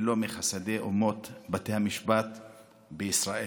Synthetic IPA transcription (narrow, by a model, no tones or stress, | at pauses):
lo̞miχasad̪ejʔumo̞t̪bat̪ehamiʃbat̪ | beisʁaʔe